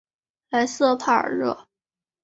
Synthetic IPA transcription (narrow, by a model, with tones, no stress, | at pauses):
la˧˥ɪsɤ˥˧pʰa˥˩ə̰˞˨˩ɻɤ˥˩